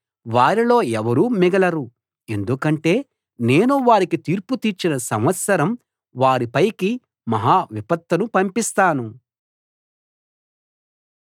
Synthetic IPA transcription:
ʋaːɾilo̞ːɛʋɐɾuːmiɡɐlɐɾu | e̞nd̪ukɐɳʈe̞ː | ne̞ːnuʋaːɾikit̪iːɾput̪iːɾt͡ʃinɐsɐ̰mʋɐt̪sɐɾɐm | ʋaːɾipɐjki | mɐɦaːʋipɐt̪ːɐnupɐmpist̪aːnu

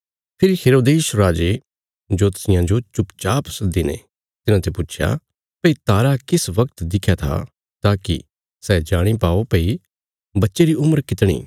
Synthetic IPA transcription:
pʰɪɾiheːɾoːd̪eːʃɾaːd͡ʒe | d͡ʒoːt̪ɐ̥sɪjãd͡ʒot͡ʃʊpt͡ʃaːpsɐd̪inḛ̃ | t̪ɪnãt̪ʰepʊtːt͡ʃʰja̰ | pɐit̪aːɾakɪsʋɐkt̪d̪ɪkʰːjat̪ʰa̰ | t̪aːkḭ | sɛd͡ʒaːɽ̃ipaːopɐi | bɐtːʃeɾiʊməɾkɪt̪ɽ̃ḭː

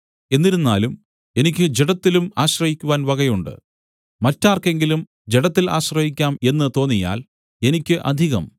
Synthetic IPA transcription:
e̞nːiɾunːa̰ːlum | e̞nikʲːɨd͡ʑeɽɐt̪ːilumaːɕrɐhikʲːuʋaːnʋɐɡɐjuɳɖɨ̰ | mɐtːaːrke̞ŋɡilum | d͡ʑeɽɐt̪ːila̰ːɕrɐhikʲːaːme̞nːɨt̪o̞ːnːija̰ːl | e̞nikʲːɨʔɐ̰d̪ʱiɣɐ̰m

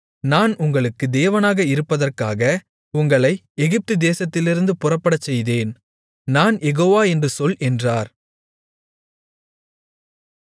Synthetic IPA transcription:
naːnʊŋɡɐɭɯkːɯd̪eːʋɐnaːɣɐɪɾɯpːɐðɐrkaːɣɐ | ʊŋɡɐɭɐɪ | ɛɣɪp̚t̪ɯd̪eːsɐt̪ːɪlɪɾɯnd̪ɯpʊrɐpːɐɽɐt͡ʃːɛjðeːn | naːnjɛɣoːʋaːɛndrɯsɔlʔɛndraːɾ

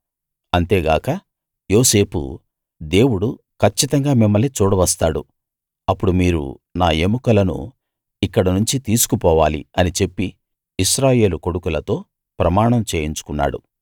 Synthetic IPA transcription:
ɐnt̪e̞ːɡaːkɐ | joːse̞ːpṵ | d̪e̞ːwuɽu | kʰɐt͡ʃːit̪ɐŋɡaːmimːɐlet͡ʃuːɽɐʋɐst̪aːɽṵ | ɐpːuɽumiːɾṵnaːemukɐlɐnṵ | ikːɐɽɐnuɲt͡ʃit̪iːsu̥kupɔːʋaːlḭɐnit͡ʃe̞pːiː | ʃɾaːje̞ːluko̞ɽukulɐt̪o̞ː | pɾɐmaːɳɐmt͡ʃe̞ːjiɲt͡ʃu̥kunːa̰ːɽṵ

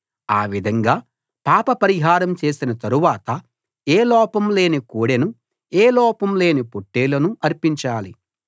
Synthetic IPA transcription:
aːʋid̪ʱɐŋɡaː | paːpɐpɐɾiɦaːɾɐmt͡ʃe̞ːsinɐt̪ɐɾuʋaːt̪ɐ | eːlɔːpɐmle̞ːnikoːɽenu | eːlɔːpɐmle̞ːnipoʈːeːlɐnuʔɐɾpiɲt͡ʃaːli

